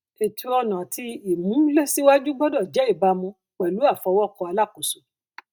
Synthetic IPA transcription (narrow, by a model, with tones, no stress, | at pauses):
e˨tʰu˧ɔ˧nã˨tʰi˧i˨mũ˨˦le˦si˦wa˦d͡ʒu˦ɡ͡bɔ˦dɔ˦˨d͡ʒɛ˨˦i˦˨ba˧mũ˧ | k͡pɛ˨lu˨˦a˦˨fɔ˧wɔ˦˨kɔ˧a˧la˦˨ko˨so˨